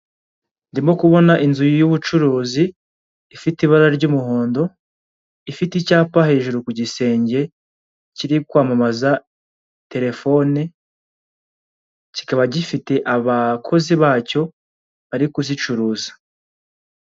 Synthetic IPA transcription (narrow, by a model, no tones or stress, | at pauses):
ndimo̞kuβo̞naʔinzujujuβut͡ʃuɾuːziː | fitiβaɾaɾɟuːmuho̞ːndo̞ | ifiticaːpahe̞ːʒuɾukuɟise̞ːɲɟe̞ | ciɾikwaːmamaza | te̞ɾe̞fo̞ne | ci̥kaβaɟifite̞ʔaβakʰo̞ziβaːco̞ | βaɾikuzit͡ʃuɾuːzḁ